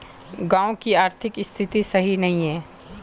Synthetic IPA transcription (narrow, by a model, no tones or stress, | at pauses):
ɡãːõkiaːɾt̪ʰɪkɪst̪ʰɪt̪isɐɦinɐɦĩɦɛ̃ː